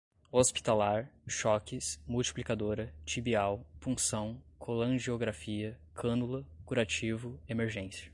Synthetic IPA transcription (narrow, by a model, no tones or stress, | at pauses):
ospi̥t̪alaɾʃɔkɪsmuwt͡ʃi̥plikad̪oɾɐt͡ʃibiawpũsɐ̃w̃kʰolɐ̃ʒioɡɾafiɐ | kʰɐ̃nulɐkuɾat͡ʃivʊemeɾʒẽsiɐ̥